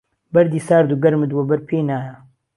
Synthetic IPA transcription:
bɐɾd̪iːsaːɾd̪uːɡɐɾmɨd̪wɐbɐɾpʰeːnaːjɐ

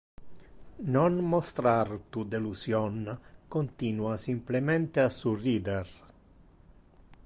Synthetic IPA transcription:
nonmost̪ɾart̪ud̪elusjɔnkont̪inuasimplement̪easuriːd̪er

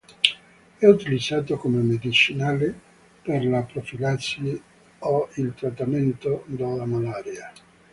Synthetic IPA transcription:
ɛut̪ilid̪zːaːt̪okomemed̪it͡ʃinaːle | perlapɾofilat̪sje | oilt̪ɾat̪ːament̪od̪alamalaːɾja

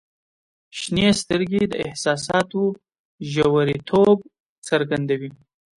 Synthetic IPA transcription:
ʃnest̪əɾɡʲed̪əɪhsɑsɑt̪o | ʒawaɾit̪ʰob̚ | t͡səɾɡand̪awi

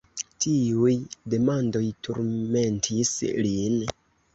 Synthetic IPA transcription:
tʰiujde̞mando̞jtʰṵɾme̞ntʰislin

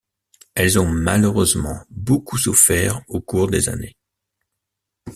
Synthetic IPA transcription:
ɛlzɔ̃maløʁøzmɑ̰̃bokusufɛʁokuʁd̪eza̰ne

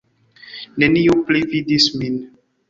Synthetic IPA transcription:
nɛnijuplividismin

